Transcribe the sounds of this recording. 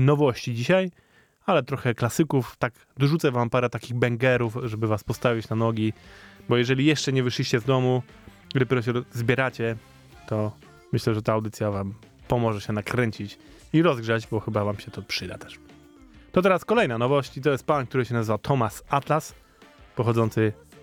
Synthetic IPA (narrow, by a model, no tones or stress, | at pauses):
nɔvɔɕt͡ɕid͡ʑiɕaj | alɛt̪ɾɔxɛklasɘkuft̪ak | d̪ɔʐut̪sɛvampaɾɛt̪akʲiɣbɛŋɡɛɾufʐɛbɘvaspɔst̪avʲit͡ɕnanɔɡʲibɔjɛʐɛlʲijɛʂt͡ʂɛɲɛvɘʂlʲiɕt͡ɕɛzd̪ɔmu | d̪ɔpʲɛɾɔɕ̬ɛzbʲjɛɾat͡ɕɛ | t̪ɔ | mɘɕlɛʐɛt̪aːwd̪ɘt̪sʲjavam | pɔmɔʐɛɕɛnakɾɛɲt͡ɕit͡ɕ | iɾɔzɡʐad͡ʑbɔxɘbavamɕɛt̪ɔpʂɘd̪at̪ɛ̥ʂ | t̪ɔt̪ɛɾaskɔlɛjnanɔvɔɕt͡ɕit̪ɔjɛst̪̚pank̚t̪uɾɘɕɛnazvat̪ʰɔmasat̪las | pɔxɔdzɔnt̪sɘ